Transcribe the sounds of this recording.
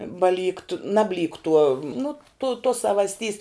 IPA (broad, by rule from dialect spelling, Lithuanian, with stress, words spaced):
bɐˈlʲiːkt ˈnɑːbʲˌlʲiːkt tuɔ nʊ tʊ tuɔs sɐʋɐsʲˌtʲiːs